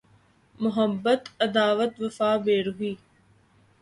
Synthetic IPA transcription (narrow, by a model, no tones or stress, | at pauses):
mʊɦɐbːɐt̪ɐd̪aːʋɐt̪ʋɐfaːbeːɾuɦiː